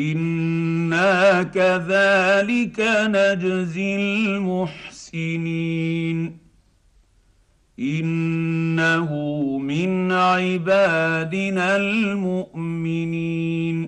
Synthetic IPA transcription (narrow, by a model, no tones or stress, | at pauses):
ʔɪnː | aːkaðaːlɪkanad͡ʒzɪlmʊħsɪniːn | ʔɪnː | aɦʊmɪnʕɪbaːd̪ɪnalmʊʔmɪniːn